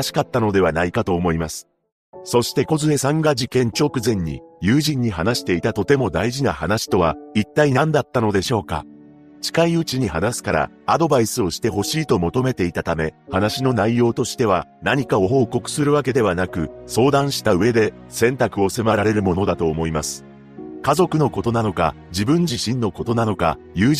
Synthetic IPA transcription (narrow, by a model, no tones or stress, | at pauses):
ɕi̥kat̪ːano̞d̪e̞β̞anaikat̪o̞ːmo̞imasɨ̥ | so̞ɕi̥t̪e̞ko̞zɨesãŋɡad͡ʑikẽ̞ɲ̟t͡ɕo̞ːkɯ̟zẽ̞ɲ̟ːḭjɨ̟ːʑĩɲ̟ːiɦanaɕi̥t̪e̞it̪at̪o̞t̪e̞mo̞d̪aiʑinahanaɕi̥t̪o̞β̞ait̪ːainãnd̪at̪ːano̞d̪e̞ɕo̞ːka̰ | t͡ɕi̥kaiɯ̟t͡ɕiɲ̟ihanasɨ̥kaɾa̰ːd̪o̞baisɨo̞ɕi̥t̪e̞ɦo̞ɕiːt̪o̞mo̞t̪o̞me̞t̪e̞it̪at̪ame̞hanaɕino̞naijo̞ːt̪o̞ɕi̥t̪e̞β̞anaɲ̟ikao̞ɦo̞ːko̞kɯ̟̥sɨɾɯ̟βak̬e̞d̪e̞β̞anakɯ̟so̞ːd̪ãɰ̃ɕi̥t̪aɯ̟e̞d̪e̞ | sẽ̞nt̪akɯ̟o̞semaɾaɾe̞ɾɯ̟mo̞no̞d̪at̪o̞ːmo̞imasɨ̥ | kazo̞kɯ̟no̞ko̞t̪o̞nano̞ka̰ | d͡ʑibɯ̟̃ɲ̟d͡ʑiɕĩnːo̞ko̞t̪o̞nano̞ka̰ | jɯ̟ː